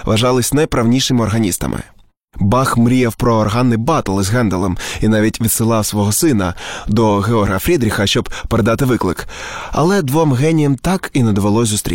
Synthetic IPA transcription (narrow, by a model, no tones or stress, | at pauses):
ʋɐʒɑlˠɪsʲnɐjpɾɐwnʲijʃɪmɪɔrɦɐnʲist̪ɐ̰mʔɪ̰ | bɑxmɾʲijɛwpɾɔːrɦɑnːɪbɑt̪ɐlˠɪzʲɦɛnd̪ɐlˠɛminɑʋʲitʲʋʲit̪sɪlˠɑwsʋɔɦɔsɪnɐd̪ɔɣeɔrɐfɾʲid̪ɾʲixɐʃt͡ʃɔbpeɾed̪ɑt̪ɪʋɪklˠɪ̰kɐ̰lˠɛd̪ʋɔmɣɛnʲijɛmt̪ɑkinɐd̪ɔʋelˠɔsʲzʊst̪ɾʲḭ